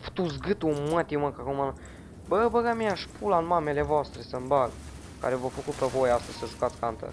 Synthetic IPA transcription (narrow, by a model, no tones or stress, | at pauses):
ft̪uzɡɨt̪umət̪iməkakomana | bəbəɡamiaʃpʰulanmamele̞voast̪ɾesəmbal | ka̰ɾevofəkut̪̚pevojast̪əzʲsəʒukat̪sʲkant̪ə̰